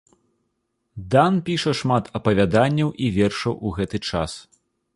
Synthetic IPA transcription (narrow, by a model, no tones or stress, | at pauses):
d̪anpʲiʂɐʂmat̪ʰɐpɐvʲad̪anʲːɐwʔivʲɛrʂɐwuɣɛt̪ɨt͡ʂas